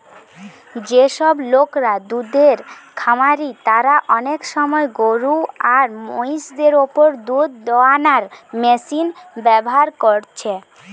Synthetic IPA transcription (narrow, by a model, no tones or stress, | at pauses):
d͡ʑeʃɔblokɾad̪ud̪eɾkʰamaɾit̪aɾaʔɔnekʃɔmɔeɡoɾuaɾmo̰jʃd̪eɾopoɾd̪ud̪d̪ɔanaɾmesinbɛboɦaɾkoɾt͡ɕʰe